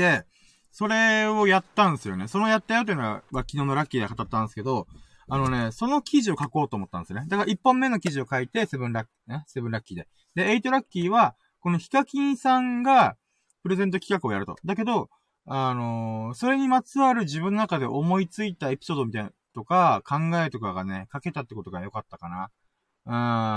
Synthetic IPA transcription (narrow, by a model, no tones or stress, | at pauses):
d̪e̞ | so̞ɾe̞ojat̪ːãnd̪e̞sɨjo̞ne̞so̞nojat̪ːajo̞t̪̬ːoi̟noɡa̰βakʲinoːno̞ɾakʲːiːd̪ekat̪at̪ːãnesɨ̥ke̞d̪o̞ | ano̞ne̞so̞no̞kʲiʑio̞kako̞ːt̪oːmo̞t̪ːãnesɨjned̪akaɾaʔipːõ̞mːe̞no̞kʲiʑio̞kait̪e̞se̞bɯ̟̃nɾak̪ | ese̞bɯ̟̃nɾakʲːiːd̪e̞ | d̪e̞eit̪o̞ɾakʲːiːβa | ko̞no̞çi̥kakʲĩɰsãŋɡa | pɯ̟ɾe̞zent̪o̞kʲi̥kakɯ̟o̞jaɾɯ̟t̪o̰d̪ak̬e̞d̪o̞ | ano̞so̞ɾe̞ɲ̟imat͡sɨβaɾɯ̟ʑibɯ̟̃nːnakad̪e̞ʔomo̞it͡sɨit̪ae̞pʲi̥so̞ːd̪o̞mit̪a | t̪o̞kakʰãŋɡaet̪o̞kaɡane̞kake̞t̪at̪ːekot̪o̞ɡajo̞kat̪ːakana | ɯ̟̃ː